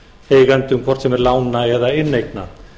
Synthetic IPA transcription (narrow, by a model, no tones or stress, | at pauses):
heːjɣant̪ʏmkʰvɔr̥t̪sɛmɛɾlaːwnaɛðaɪnːejkna